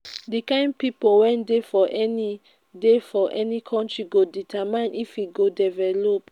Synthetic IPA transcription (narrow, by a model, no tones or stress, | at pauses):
dikãɪ̃npipowɛ̃ndefɔʔɛni | defɔʔɛnikʰɔ̃ntɹiɡoditʰamãnifiɡodɛvɛlop